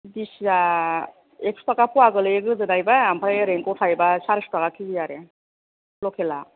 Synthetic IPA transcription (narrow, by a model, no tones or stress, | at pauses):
disa | ek̚stakapuwaɡɯlɯjeɡɯzɯnajbaampʰɾajɾeŋkɔwtʰajbasaɾisɔ̥takakʰiɡijaɾe | lɔkʰela